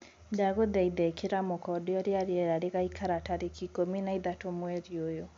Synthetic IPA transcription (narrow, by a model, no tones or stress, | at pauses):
daɣoðɛiðɛkʰeɾamokɔdeɔɾeaɾjɛɾaɾeɣaikaɾataɾekikominaiðatomwɛɾjojo